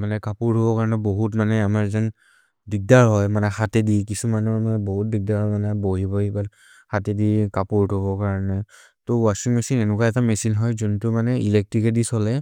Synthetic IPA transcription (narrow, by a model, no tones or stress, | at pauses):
manɛkapuɹʱobɔkaɹɔnɛboɦutmanɛamaɹzan | dik̚daɹɦɔjmanɛxatɛdikisumanɔɹmanɛboɦut̚dik̚daɹɦɔmanɛboɦibɔibat | hatedikapuɹtɦoβɔkaɹɔnɛ | towasiŋmɛsinɛnukaɛtamɛsinɦɔjzuntʊmanɛilɛk̚tɹikɛdisɔlɛ